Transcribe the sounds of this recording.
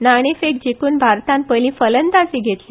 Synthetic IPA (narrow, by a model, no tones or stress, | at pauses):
naɽ̃efek̚d͡ʑikuːnbʱaɾt̪ãmpəlĩfələnd̪asiːɡʱet̪li